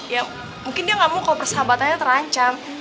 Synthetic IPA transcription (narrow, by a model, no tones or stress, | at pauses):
ja | muŋkɪndiaŋamukalobərsəɦabat̪aɲat̪əɾaɲt͡ʃam